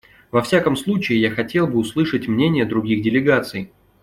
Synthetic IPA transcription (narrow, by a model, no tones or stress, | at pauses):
vɐfsʲakəmslˠut͡ɕɪɪjaxɐtʲe̞lˠbɨʊslˠɨʂətʲmnʲenʲɪjəd̪ɾʊɡʲiɣdʲɪlʲɪɡat̪sɨj